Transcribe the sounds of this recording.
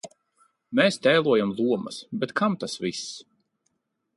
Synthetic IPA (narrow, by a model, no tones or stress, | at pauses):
mɛːst̪ɛːlˠuɔjamlˠuɔmɐ̰sbɛt̪kʰamt̪asvis